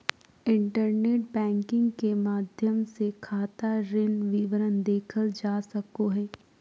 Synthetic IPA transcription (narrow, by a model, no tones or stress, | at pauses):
ɪ̃ɳʈəɾneːʈ̚bɛ̃ːŋkɪ̃ŋɡkemaːd̪ʱjəmsekʰaːt̪aɾɪnʋiʋəɾənd̪eːkʰəld͡ʒaːsɐkoɦɛː